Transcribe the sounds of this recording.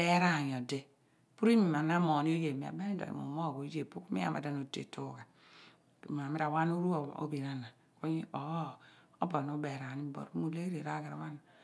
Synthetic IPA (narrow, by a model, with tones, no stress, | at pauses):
e˦ɾa˦˨ɲ˨o˨de˦ | pu˦ɾi˦mi˨m˨a˨na˦mo˨ni˦o˦je˨mi˨a̰˨be˦i˦do̰˨ḭ˨o̰˨mo˦˨ɡo˨˦je˨pu˦ku˦mḭ˦a̰˦˨ma̰˨da˦˨no˨tḛ˨tʰo˦˨ɡa̰˨ | m˨a˨mi˦ɾa˨wa˦nu˦ɾu˦˨o̰˦bi˨na˦na˨ | ko˦ɲi˦ɔ˨˦o˦bo˨n˨o˦be˨ɾa˨ni˦bo̰˨ɾmu˨le˦ɾe˨ɾa˦ɡa˨ɾa˨˦wa˦na˨